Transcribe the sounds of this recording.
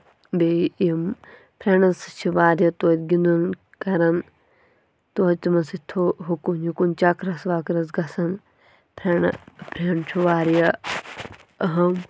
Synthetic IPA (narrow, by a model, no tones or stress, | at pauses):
beim | pʰɾeɳɐst͡ʃʰiʋaːɾjɐt̪oːt̪ʲɡind̪un | kɐɾɐn | t̪oːtt̪imɐsit̪ʰoɦukunikunʲt͡ʃakɾɐsʋaːkɾɐz̬ɡɐsɐn | pʰɾeɳpʰɾeɳt͡ʃʰuʋaːɾjɐ | ɐɦɐm